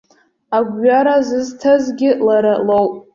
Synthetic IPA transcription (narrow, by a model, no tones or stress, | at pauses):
aɡʷɥaɾazɨztʰazɡʲɪlaɾalowpʼ